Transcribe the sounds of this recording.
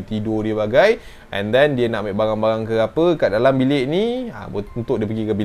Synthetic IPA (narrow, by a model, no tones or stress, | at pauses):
t̪idodiəbaɡaj | ʔɛ̰̃ndɛndiənaʔmeʔbaɾaŋbaɾaŋkəapəkaʔdalambileʔnia̰unt̪ʊʔ̚diəp̬əɡikəbi